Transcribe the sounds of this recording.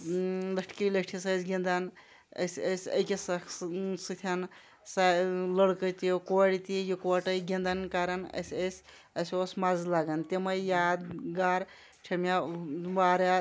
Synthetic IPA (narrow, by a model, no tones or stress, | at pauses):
lɐkʈʰkilekʈʰisɐsʲɡʲind̪ɐn | ə̰sʲəsʲə̰jkʲisɐkʰsɨt̪ʰʲɐn | saləɽkət̪ikoɽit̪ijikɐʈɐjɡʲind̪ɐnkaɾɐnɐ̰sʲəsʲ | ɐsʲosmazlaɡɐnt̪emɐjjaːd̪ɡaːɾ | ʈʰɐmʲaʋaːɾa